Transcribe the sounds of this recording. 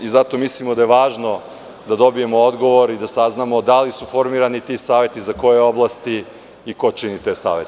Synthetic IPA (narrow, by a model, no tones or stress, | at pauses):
izat̪o̞mislimo̞d̪ajeʋaːʒno̞ | d̪ad̪o̞bije̞mood̪ɡo̞ʋo̞ɾid̪asaznamo̞d̪alisufoɾmiːɾanit̪isaːʋe̞t̪izako̞jeo̞blˠast̪iː | ko̞t͡ʃinit̪esa̰ːʋḛt̪e̥